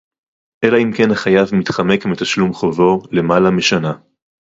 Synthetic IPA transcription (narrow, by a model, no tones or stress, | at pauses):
ʔelaimke̞nhaχajavmit̪χame̞kmet̪aʃlumχovo̞le̞malameʃana